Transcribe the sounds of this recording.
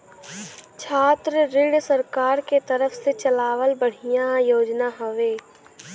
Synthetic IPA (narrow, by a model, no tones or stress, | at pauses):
t͡ʃʰaːt̪ɾəɾɪɽsəɾkaːɾket̪ɐɾəfset͡ʃɐlaːʋəlbəɽ̤ijãjoːd͡ʒnaɦəʋeː